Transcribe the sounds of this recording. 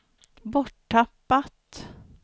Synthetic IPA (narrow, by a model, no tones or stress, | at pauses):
bɔʈʰːapːat̪